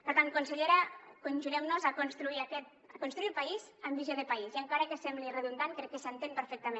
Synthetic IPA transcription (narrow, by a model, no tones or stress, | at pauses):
pəɾt̪ankunseʎeɾakonʲʒuɣɛmnuzakonst̪ɾuiakɛt̪̚ | akunst̪ɾuilpaizambiʒoðepaiziaŋkaɾakesɛmblireðund̪ankɾɛkːesant̪empəɾfɛk̚t̪ame